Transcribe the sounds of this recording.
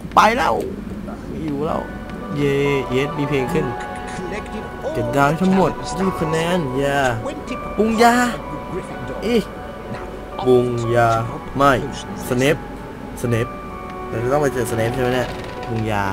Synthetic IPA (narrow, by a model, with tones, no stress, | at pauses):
pa˧jlɛː˧˥˩w | mi˧juː˨˩lɛ̰˧˥˩w | jeː˧ʔeː˦˥t̪̚miː˧pʰleː˧ŋkʰɯ˥˩n | kɯ˨˩t̪̚ɡaː˧t̪ʰa˦˥ŋmo˨˩t̪̚st̪iː˧˩pʰːa˧nɛː˧˥˨njaː˧˩ | pu˧ŋjaː˧ | ʔi˧˩ | pu˧ŋjaː˧ | ma˧˥˩j | sa˧ne˦˥p̚ | sa˧ne˦˥p̚ | aː˧˩˨t̪ɔ˥˩ŋpaː˧˩t͡ɕɤː˨˩t̪̚sa˧ne˧˦˥p̪̚ʰːm˧˥˩na˧˩ | pu˧ŋjaː˧